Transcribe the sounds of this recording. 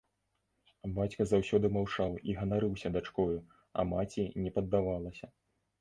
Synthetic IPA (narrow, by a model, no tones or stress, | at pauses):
bat͡sʲkɐzawsʲɔd̪ɨmawt͡ʂawiɣɐnaɾɨwsʲɐd̪at͡ʂkɔju | ɐ̰mat͡sʲinʲɛpɐd̪ːavalˠɐsʲɐ